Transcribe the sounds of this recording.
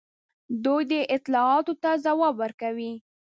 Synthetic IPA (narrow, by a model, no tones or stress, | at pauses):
d̪ujd̪əʔɪt̪lɑɑt̪ot̪azawɑbəɾkawi